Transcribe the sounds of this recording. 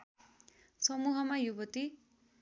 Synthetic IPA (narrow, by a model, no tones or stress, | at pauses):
sʌmuɦʌmajubʌt̪i